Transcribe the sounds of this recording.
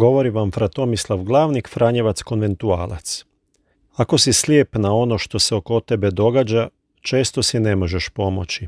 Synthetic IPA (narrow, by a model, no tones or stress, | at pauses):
ɡo̞ʋo̞ɾiʋamfɾat̪o̞mislˠaʋɡlˠaːʋnikfɾaɲeʋat̪sko̞nʋe̞nt̪ua̰ːlˠa̰t̪s | ako̞sisljeːpnao̞no̞ʃt̪o̞seoko̞t̪ebe̞d̪o̞ɡaːd͡ʑa | t͡ʃe̞ːst̪o̞sine̞mo̞ʒeʃpo̞mo̞̰t͡ɕi